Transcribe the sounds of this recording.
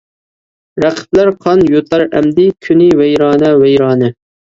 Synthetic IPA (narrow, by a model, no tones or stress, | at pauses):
ɾæqʰə̥p̚læɾqʰɑnjot̪ʰɑɾɛ̰md̪ɪkʲʰynɪwɛjɾɑːnɛwɛjɾɑːnɨ